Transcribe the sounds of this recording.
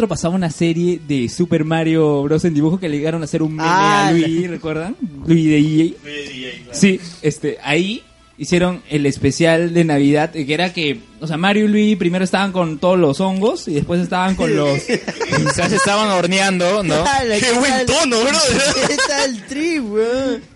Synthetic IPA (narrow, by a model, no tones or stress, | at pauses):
t̪ɾopasaβaunase̞ɾjeðe̞supe̞ɾmaɾjoβɾosend̪iβuxo̞keleʝeɣaɾonase̞ɾunmaɾolwirekwe̞ɾðaŋlwiðee | siest̪eʔai | isje̞ɾo̞ŋe̞le̞spe̞sjald̪e̞naβiðaðkeeɾake̞ | ose̞amaɾjolwipɾime̞ɾoest̪aβaŋko̞nt̪oðolo̞so̞ŋɡo̞siðe̞spwes̬e̞st̪aβaŋko̞nlossasest̪aβanoɾnjand̪onouent̪ono | t̪aelt̪ɾiβe